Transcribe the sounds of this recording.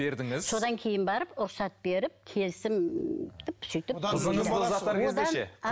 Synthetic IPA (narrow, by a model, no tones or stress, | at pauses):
e̞ɾd̪ɪŋɪzso̞d̪ɑŋkʲʰe̞jɪnbɑɾəpʊɾsɑt̪̚b̥e̞ɾɪp̚kʲʰe̞lsɪmd̪̥ɪpsʏjt̪ɪp̪ | ɑwod̪eɑe